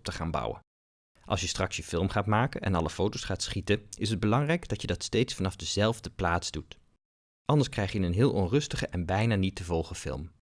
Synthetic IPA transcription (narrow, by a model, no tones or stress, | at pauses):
p̚təχaːnbʌ̰wə̰n | ʔɑ̰lˠsjəstrɑksjəfɪlˠmχaːtmaːkənʔɛ̰nɑləfowtowsχaːtsχitəɪsɦəd̚bəlɑŋrɛjɡdɑtjədɑtstejtsfɑnɑvdəzɛlˠvdəplaːtzdut | ʔɑndəɹskrɛjχjənənɦɪːlˠʔɔnrɵstəχəʔɛnbɛjnaːnitdəvɔlˠχəfɪ̰lˠm